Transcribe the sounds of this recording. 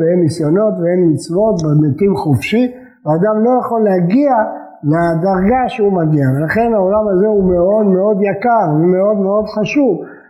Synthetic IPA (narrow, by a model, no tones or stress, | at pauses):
vehemːisjo̞no̞t̪veemːit͡svo̞t̪bemet̪imχufʃi | vead̪amlo̞jaχo̞lːeaɡia | lead̪aʁɡaʃeumaɡiave̞laχe̞nao̞lamazeume̞o̞d̪meo̞d̪jakaʁume̞o̞d̪meo̞d̪χaʃuv